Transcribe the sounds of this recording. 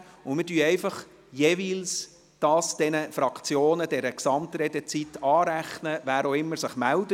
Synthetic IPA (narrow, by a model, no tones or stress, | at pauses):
ʊnmɪdyːɛɪfɑχ | jevils | d̥ɑːsd̥ɛnəfɾɑkʰt͡sjoːnəd̥ɛɾəksɑmt̪ɾɛd̥ɛt͡sit̪ːɑːɾæχnəʋæːɾoɪmːəɾsɪχmældə